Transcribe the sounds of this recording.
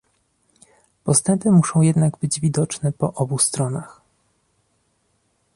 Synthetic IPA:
pɔst̪ɛmpɘmuʂɔ̃w̃jɛd̪naɡbɘd͡ʑvʲid̪ɔt͡ʂnɛpɔʔɔbust̪ɾɔnax

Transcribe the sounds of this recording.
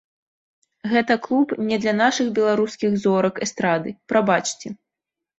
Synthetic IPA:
ɣɛt̪ɐklˠupnʲɛd̪lʲɐnaʂɨɣbʲɛlˠaɾuskʲiɣzɔɾɐkɛst̪ɾad̪ɨpɾabat͡ʂt͡sʲɛ

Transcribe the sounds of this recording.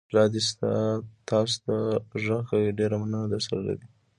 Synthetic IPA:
lɑd̪ist̪at̪ɑst̪aʐaɣaɖeɾamanənad̪əɾsaɾala̰d̪i

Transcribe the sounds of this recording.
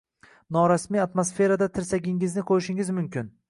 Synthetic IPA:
nɒɾasmiat̪mosfe̞ɾad̪at̪ʰɪɾsaɡʲɪŋɪznɪqʰojɪʃɪŋɪzmʊmkʲɪn

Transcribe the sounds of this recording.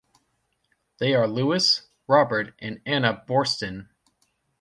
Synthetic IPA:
ðeɪə˞luɨs | ɹɑbə˞ɾʔɨ̃nænəbɔɹstɨ̃n

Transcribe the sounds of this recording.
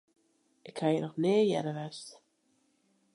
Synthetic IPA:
ɪkhajənɔxneːjɛ̰ɾəʋɛst

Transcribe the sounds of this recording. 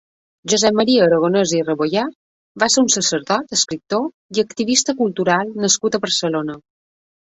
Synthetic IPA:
ʒuzɛmːəɾiəːɾəɣonəzirəβoja | βaseɾunsəsəɾðɔt̪əskɾip̚t̪o | iəkt̪iβist̪əkulˠt̪uɾalˠnəskut̪əβəɾsəlonə

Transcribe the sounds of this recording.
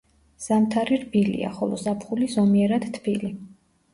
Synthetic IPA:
z̥amt̪ʰaɾiɾbilḭa̰χɔlɔ̰zapʰχulizɔmiɛɾad̪̥t̪ʰbili

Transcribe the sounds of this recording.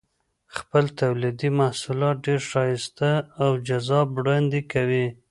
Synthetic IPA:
xpəlt̪awlid̪imahsulɑt̪̚ɖeɾʃɑjist̪əːwd͡ʒazɑbɽand̪ekawi

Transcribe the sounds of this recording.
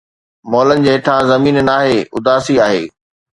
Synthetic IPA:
mɔːlənɪ̆d͡ʑeːɦɪʈʰãzɐmiːnnaːɦeːʊd̪aːsiaːɦeː

